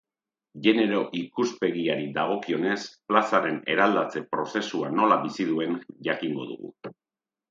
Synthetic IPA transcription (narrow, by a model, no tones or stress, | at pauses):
ʝe̞ne̞ɾo̞ʔikuspe̞ɣiaɾid̪aɣ̞o̞kio̞ne̞splasaɾe̞ne̞ɾald̪at͡se̞pɾo̞se̞suano̞laβisið̞ue̞nʝakiŋɡo̞̰ðṵɣṵ